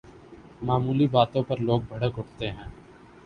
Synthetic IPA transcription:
maːmuːlibaːt̪õpɐɾloːɡ̚bʱɐɽəkɦʊʈt̪eɦɛ̃ː

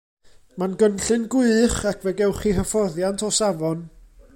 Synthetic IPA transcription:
manɡənɬɨnɡwɪχakʰvɛɡɛwχiɦəfɔðjantʰɔsavɔn

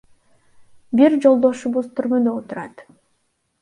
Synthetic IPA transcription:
biɾd͡ʒo̞lˠd̪o̞ʃuβuzt̪ʰyɾmød̪øot̪uɾɑt̪

